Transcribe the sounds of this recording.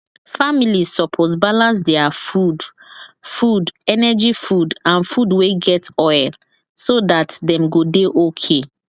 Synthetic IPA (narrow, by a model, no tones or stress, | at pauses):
familizsɔpʰos̬balãns̬dɛafud | fudɛnɛd͡ʒifudãnfudweɡɛtɔjl | sodatdɛ̃mɡodeʔokʰe